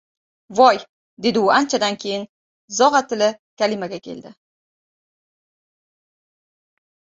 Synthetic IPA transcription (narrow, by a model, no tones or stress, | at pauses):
vɒj | d̪ed̪ɪuænt͡ʃæd̪ænkʲejɪn | zɒʁat̪ɘ̆lɘkʲælimæɡʲækʲḛld̪ɪ